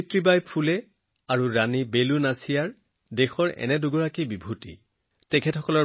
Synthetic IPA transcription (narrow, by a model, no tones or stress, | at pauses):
tɹibajpʰulɛ | aɹuɹanibelunasijaɹ | dexɔɹɛ̰nɛduɡɔɹakibibʱutḭ | tɛkʰɛtxɔkɔlɔ